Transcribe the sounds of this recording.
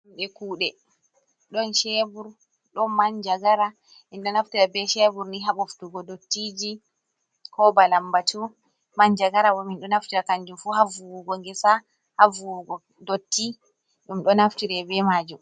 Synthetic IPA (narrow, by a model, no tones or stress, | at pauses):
ɗumɗɛkuːɗɛ | ɗɔnʃɛbuɾ | ɗɔmand͡ʒaɡaɾa | ʔɛnɗɔnaftiɾabɛʃɛbuɾniɦaɓoftuɡɔdotːid͡ʒi | kɔbalambatu | maɲd͡ʒaɡaɾawɔminɗɔnaftiɾakaɲd͡ʒumfuɦavuwuɡɔŋɡɛsa | havuɡɔ | dotːi | ɗumɗɔnaftiɾɛbɛmad͡ʒum